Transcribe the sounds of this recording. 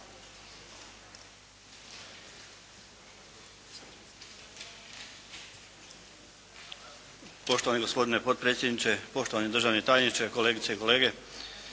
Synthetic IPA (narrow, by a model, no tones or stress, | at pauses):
po̞ʃt̪oʋaneɡo̞spo̞d̪inepo̞t̪̚pɾet̪sʲjed̪nit͡ʃepo̞ʃt̪oaned̪ɾ̩ʒaʋnet̪aːjenit͡ʃeko̞leːɡit̪eiko̞le̞ːɡe